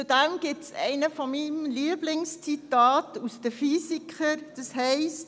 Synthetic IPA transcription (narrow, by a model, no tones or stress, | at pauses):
udɛmɡ̥ɪtsʔɛ̰ɪnəfɔnmimliəblɪŋst͡sitɑːtusd̥əfyːsikʰəɾd̥əshɛɪst